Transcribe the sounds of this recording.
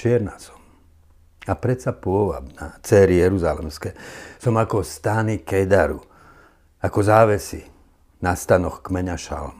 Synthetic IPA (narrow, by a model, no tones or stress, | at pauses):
t͡ʃɪɛɾnasɔ̥m | apɾɛsapʊɔʋa̰bna̰t͡sɛːɾijɛɾuzalɛ̰mskɛsɔmakɔst̪aːnikɛjd̪aɾu | akɔzaːʋɛsi | nast̪anɔxkmɛɲaʃa̰lm